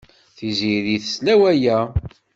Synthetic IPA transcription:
θiziðiθəslæwæjæ

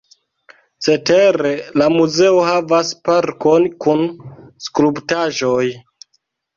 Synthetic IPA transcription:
t͡se̞te̞ɾe̞lamuze̞oɦavaspaɾko̞nkunskɾubtaʒo̞j

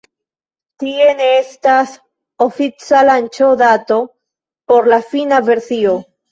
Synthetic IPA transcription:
tie̞neestas | ofit͡salant͡ʃod̪ato̞ | po̞ɾlafinave̞ɾsio

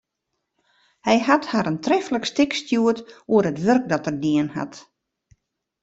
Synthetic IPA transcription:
hɛjhathaɾəntrɛfləkstɪkstjuətuəɾətʋørk̚dɔtərdiənha̰t

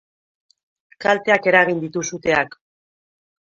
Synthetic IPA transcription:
kalt̪e̞ake̞ɾaɣ̞ind̪it̪usut̪e̞ak

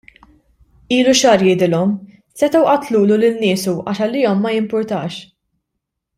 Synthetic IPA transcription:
iːluʃɐːɾjɪːd̪ɪlɔm | sɛt̪ɐwʔɐt̪luːlulɪnːɪːsuʔɐ̰ːʃɐlːɪːɔmːɐjɪmpʊɾt̪ɐːʃ

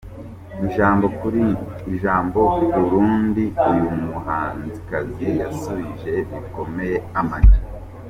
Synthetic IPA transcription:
uʒaːmbo̞kuɾiː | ʒaːmbo̞βuɾuːndiujumuhaːnzikazejasuβiʒe̞ɾiko̞me̞je̞amatḁ

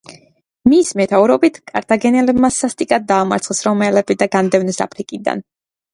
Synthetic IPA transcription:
mismɛt̪ʰauɾɔbit̪ʰkʼaɾt̪ʰaɡɛnɛlɛbmasast̪ʼikʼad̪̚ːaːma̰ɾt̪sχɛsɾɔmɛlɛbid̪aɡand̪ɛvnɛsa̰pʰɾikʼid̪a̰n

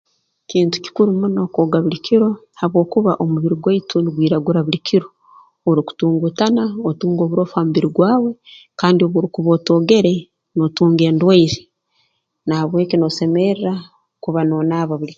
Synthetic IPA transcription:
kiːntu̥ci̥kuɾumunokoːɡaβulikʰiɾo̞ | haβwo̞ːkuβa̰ʔomuβiɾiɡwaitʰuniɡwiːɾaɡuɾaβulikʰiɾo̞ | oɾiku̥tuːŋɡutanaotuːŋɡo̞ːβuɾo̞ːfaːmuβiɾiɡwaːwe̞ | kaːndioβuɾukuβoːto̞ːɡe̞ɾe̞ | no̞tuːŋɡe̞ːndwaiɾe | nahaβwe̞ːkino̞se̞meɾɾa | kuβano̞ːnaːβaβuli

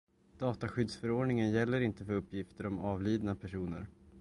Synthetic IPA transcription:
d̪̥ɑːt̪aɧʏd̪sfœɾoːɖɳɪŋənjɛlːəɾɪnt̪əfœɾɵpːjɪft̪əɾɔmɑːvliːd̪napʰæʂuːnə̰ɾ

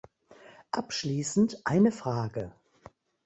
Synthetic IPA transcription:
ʔapʃliːsn̩tʔaɪnəfʁ̥aːɡə

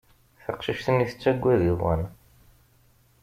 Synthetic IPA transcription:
θɑqʃiʃt̪əniθə̥t͡sːæɡʷːæðiðˤwæ̰n

